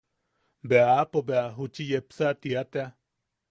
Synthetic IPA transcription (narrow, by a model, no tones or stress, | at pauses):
beaːpobeaɦut͡ʃijepsaʔt̪iat̪ea